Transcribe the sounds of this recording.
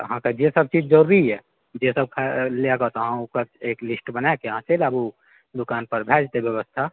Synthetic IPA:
əɦãkad͡ʒesəb̚t͡ʃid͡ʒd͡ʒəɾuɾiɦɛ | d͡ʒesəb̚kʰaleaɡət̪ɔɦãukəɾeklisʈbənaekeɦãt͡ʃelabu | d̪ukaːnpəɾbʱɛd͡ʒt̪ebjəβəst̪ʰa

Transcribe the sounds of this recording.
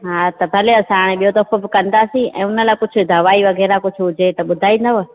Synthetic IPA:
ɦaːt̪ɐbʱɐleɐsaːɽ̃eɓijot̪ɐfobɪkɐ̃nd̪asĩɛ̰̃ːʊnəlaːkʊd͡ʑʱʊ̆d̪ɐʋaːiʋɐɣɛːɾakʊd͡ʑʱʊɦʊd͡ʑʱet̪ɐɓʊd̪ʱaːinɐʋə

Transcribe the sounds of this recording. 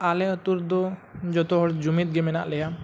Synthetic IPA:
aleɔt̪uɾd̪od͡ʒɔt̪oɦɔɾd͡ʒumit̪̚ɡemena̰ʔleja

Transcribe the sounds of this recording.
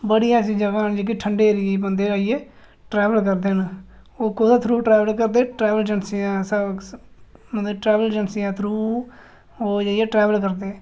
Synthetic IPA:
bəɽɪjãːs̬ĩːd͡ʒəɡãːnd͡ʒeːk̬iʈʰəɳɖeːɾiebə̃nd̪eːəieː | ʈɾɛːʋəlkəɾd̪en | oːkoːd̪at̪ʰɾuːʈɾɛːʋəlkəɾd̪eːʈɾɛːʋəld͡ʒənsijãːsə | mənd̪eʈɾɛːʋəld͡ʒənsijãːt̪ʰɾuː | oːd͡ʒaːɪeːʈɾɛːʋəlk̬əɾd̪eː

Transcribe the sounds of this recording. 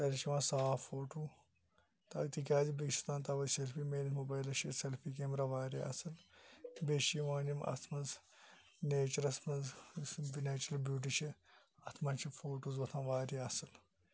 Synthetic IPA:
t̪ɐɾit͡ʃʰiʋãːsaːfoːʈuː | t̪ɐt̪ik̬ʲaːzibikʃi̥t̪ãːnt̪ɐʋɐselfiːmeːnit̪mobaːjlɐʃiselfʰiːkeːmɾɐʋaːɾiɐsɨlbeʃiʋãːnimɐ̰t̪ʰmɐnz | neːt͡ʃɐɾɐt̪mɐnzbineːt͡ʃɾɐlbjuːʈ̬it͡ʃʰi | ɐt̪ʰmɐnt͡ʃʰifoːʈuːzʋɐt̪ʰãːʋaːɾiɐsɨl

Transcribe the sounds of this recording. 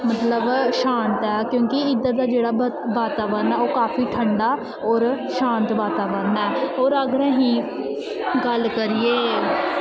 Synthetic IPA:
mət̪ləbʃaːnt̪ɛːkjõːkɪɪd̪aːd̪aːd͡ʒeːɽaː | ʋaːt̪aːʋəɾnɛːoːkaːfʰiːʈʰəɳɖaː | ɔːɾʃãːnt̪ʋaːt̪aːʋəɾnɛːoːɾəɡɾẽːɦĩː | ɡəlkəɾieː

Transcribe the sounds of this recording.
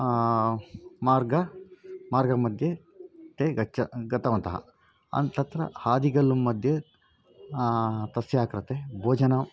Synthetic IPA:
maːɾɡɐmaːɾɡɐmɐd̪ʱje | t̪eːɡɐɐɡɐt̪ɐʋɐnt̪ɐɦɐ̰ | ɐ̰nt̪ɐt̪ɾɐ̰haːd̪iɡɐlːumːɐd̪ʱjɐ | t̪ɐsjaːkɾɐt̪ebʱoːd͡ʒɐnaːm

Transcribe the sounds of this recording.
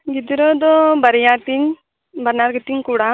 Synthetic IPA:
ɡid̪iɾɔd̪ɔbaɾijaɾt̪iɲ | banaɾɡit̪iɲkuɽa

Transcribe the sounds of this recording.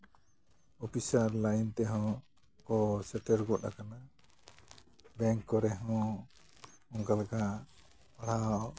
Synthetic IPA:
ɔpisaɾlajnt̪ɛɦɔ̃ | kɔsɛʈɛɾɡɔʔa̰kana | bɛŋkːɔɾɛɦɔ̃ | ɔ̃ŋkalɡa | aɽ̤a

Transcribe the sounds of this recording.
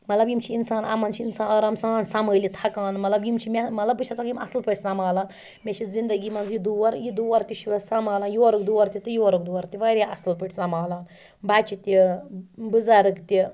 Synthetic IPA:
mɐt̪lɐbjimt͡ʃʰiinsaːnɐ̰mɐnt͡ʃʰiinsaːnɐɾɐmsaːnsɐməːlit̪ʰɐkaːnmɐt̪lɐbjimt͡ʃʰimʲemɐt̪lɐbɨt͡ʃʰɐt͡sɐkimɐ̰sɨlpəʈʲʰsɐmaːlaː | mʲet͡ʃʰizind̪ɐɡimɐnzjid̪uʋɐɾjid̪uʋɐɾt̪ʲiʃiʋɐsɐmaːlaːnjoɾukd̪uʋɐɾt̪ʲit̪ɨjuɐɾɨk̚d̪uwɐɾt̪ʲiʋɐɾaʔɐ̰sɨlpəʈʰʲsɐmaːlaːn | bat͡ʃit̪i | bɨzaɾɨkt̪i

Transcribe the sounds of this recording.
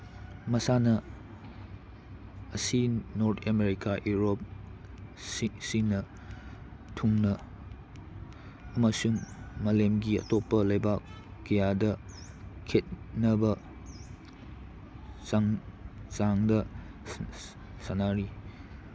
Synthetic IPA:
mɐsanɐ | ɐsinoɾtʰemeɾikaʔjuɾop̚ | ssinɐ | tʰuŋnɐ | mɐsuŋmɐlemɡiɐ̰topːɐlɐjba | kːɐjadɐ | kʰet̚nɐbɐ | a | t͡ʃaŋdɐ | sanaɾi

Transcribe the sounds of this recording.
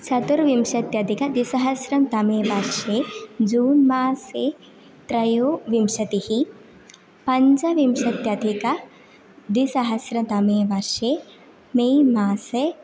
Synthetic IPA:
t͡ʃɐt̪uɾʋimʃɐt̪jɐd̪ʱikɐd̪isɐɦɐsɾɐmt̪ɐmeːʋɐɾʃeːd͡ʒuːnmaːse | t̪ɾɐjoːʋimʃɐt̪ihi | pɐɲd͡ʒɐʋimʃɐt̪jɐd̪ʱikɐ | d̪isɐɦɐsɾɐmt̪ɐmeːʋɐɾʃeː | meːmaːse

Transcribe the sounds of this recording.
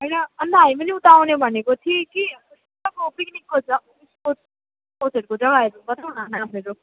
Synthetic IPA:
ɦʌjnʌːnd̪aɦajmʌniut̪awnebʱʌnekot̪ʰiki | s | akopiknikːod͡zʌ | isot͡s | ot̪eʈkod͡zʌɡaeɾubʌt̪awnanameɾo

